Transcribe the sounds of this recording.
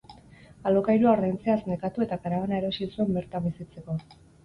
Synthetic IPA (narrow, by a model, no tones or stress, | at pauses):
alokajɾuarajnt͡se̞azne̞kat̪ue̞t̪akaɾaβanae̞ɾo̞sisue̞mbe̞ɾt̪ambisit͡se̞ko̞